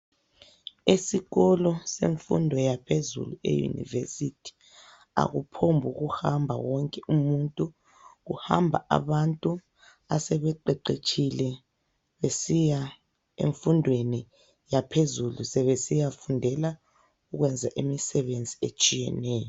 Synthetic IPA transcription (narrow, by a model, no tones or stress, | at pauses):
esiɣɔlɔsḛɱfṵndʱɔjapʰezṵluḛjṵnḭvḛsitʰi̥ | a̰ɣupʰombʱuɣuhambʱa̰wɔŋkʼɛʔumuntʼu | ɣuhambʱa̰ʔa̰βantʼu | asɛβɛǃɛǃet͡ʃʰilɛ | βesija | ḛɱfundʱweni | japʰezulusɛβesijafundʱɛla | uɣwɛnd͡zʱaʔemisɛβend͡zʱiet͡ʃʼijɛ̰nɛːjɔ